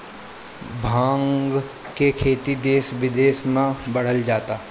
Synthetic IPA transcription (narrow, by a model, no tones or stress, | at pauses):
bʱãːŋɡ | kekʰeːt̪id̪eːsʋɪd̪eːsmãbɐɽ̤əld͡ʒaːt̪aː